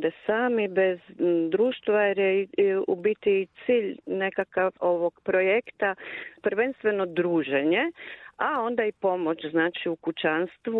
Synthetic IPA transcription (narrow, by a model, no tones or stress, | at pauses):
d̪esaːmibe̞zd̪ɾuːʃt̪ʋajeɾeiubit̪iːt̪siːʎne̞kakaʋo̞ʋo̞ɡ̥pɾo̞jekt̪apɾʋenst̪ʋe̞no̞d̪ɾuːʒeɲeao̞nd̪aipo̞mot͡ʃznaːt͡ʃiukut͡ʃanst̪ʋu